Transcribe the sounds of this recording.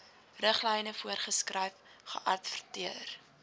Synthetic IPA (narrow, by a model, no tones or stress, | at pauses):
rəχlɛjnəfuərχəskrəjfχə̰ʔɐtfərtiər